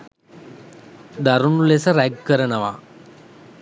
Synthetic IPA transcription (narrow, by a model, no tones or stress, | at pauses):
d̪aɾunulesəɾæɡ̚kəɾənəʋa